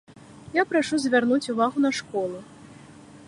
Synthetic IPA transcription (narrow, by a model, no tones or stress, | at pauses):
japɾaʂuzʲvʲarnut͡sʲuvaɣunɐʂkɔlˠu